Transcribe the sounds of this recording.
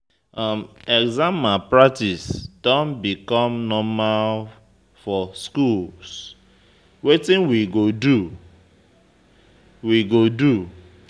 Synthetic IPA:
amɛɡzãmapɹak̚tisd̥ɔ̃nbikɔ̃mnɔmal | fɔskuls | wetĩnwiɡodu | wiɡodu

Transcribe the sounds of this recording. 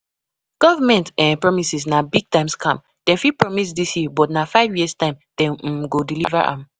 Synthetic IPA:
ɡ̥ɔvamɛ̃ntɛ̃npɹɔmisisnabiɡ̚tãɪ̃mskʰã̰m | d̥ɛ̃nfipɹɔmis̬disjibɔtnafaɪvjistãɪ̃md̥ɛ̃n̩ɡodiliva̰ʔã̰m

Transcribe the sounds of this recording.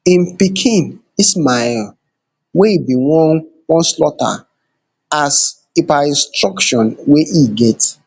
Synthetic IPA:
ĩmpikʰĩn | ismal | weibiwɔ | wɔ̃nslɔta̰ | as | epaĩnstɹɔkʃɔ̃nweʔiɡɛt

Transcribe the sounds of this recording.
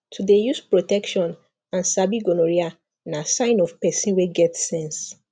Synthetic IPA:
tʰudejuspɹotɛkʃɔ̃n | ãnsabiɡonoɹia | nasãɪ̃nɔfpɛsĩnweɡɛtsɛ̃ns

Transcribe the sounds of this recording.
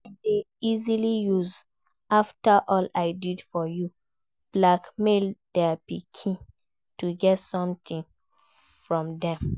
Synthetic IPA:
ade | izilijuz | aftaʔɔlaɪdidfɔju | b̥lakmeldɛpikʰĩ | tuɡɛtsɔ̃mt̪ʰĩn | fɹɔ̃mdɛ̃m

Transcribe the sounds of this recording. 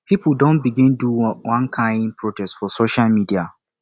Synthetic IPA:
pipldõnbiɡɪ̃nduwãnkʰãɪ̃nd̚pʰɹotʰɛstfɔsoʃalmidia

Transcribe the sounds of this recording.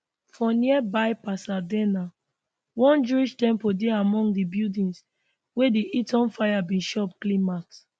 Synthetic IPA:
fɔ̃niɛbajpasadɛna | wɔ̃nd͡ʒuiʃtɛ̃mpodeamɔ̃ŋɡdibidĩns | wediʔitɔ̃nfajabĩnʃɔpklĩmaks

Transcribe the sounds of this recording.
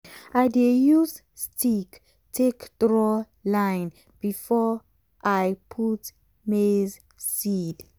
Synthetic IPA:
adejuz | stʰik | tʰekd̥ɹɔ | lãjn | b̥ifɔ | ʔajpʰut | mez | sid

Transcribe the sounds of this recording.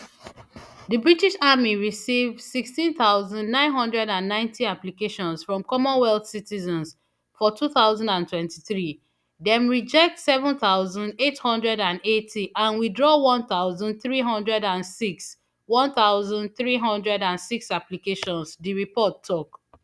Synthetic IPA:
dəbɹitiʃamiɹisivdsikstĩnθaʊzãndnãɪ̃nɦʌ̃ndɹɛdãnːãɪ̃ntʰiaplikeʃɔ̃nsfɹɔ̃mkɔmɔ̃nwɛlθsitizə̃ns | fɔtuθaʊzãndãntwɛ̃ntiθɹi | dɛ̃mɹid͡ʒɛk̚tsɛvə̃nθaʊzə̃ndethɔ̃ndɹɛdãnetʰiʔãnwidɹɔwɔ̃nθaʊzə̃nd̚θɹiɦɔ̃ndɹɛdãnsiks | wɔ̃nθaʊzə̃nd̚θɹiɦɔ̃ndɹɛdãnsiksaplikeʃɔ̃nsdiɹipɔtʰːɔk

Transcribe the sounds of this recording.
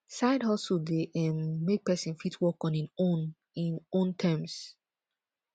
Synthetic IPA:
saɪdhɔsudeʔɛ̃nmek̚pɛsĩnfitʰwɔkɔ̃nĩnon | ĩnõntʰɛ̃ms

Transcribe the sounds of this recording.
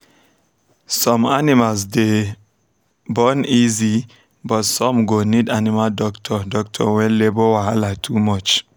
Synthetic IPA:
sɔ̃manimals̬de | bɔnizi | bɔtsɔ̃mɡonidanimaldɔktʰɔdɔk̚tʰɔ̰wɛ̃nlebowaalatʰumɔt͡ʃ

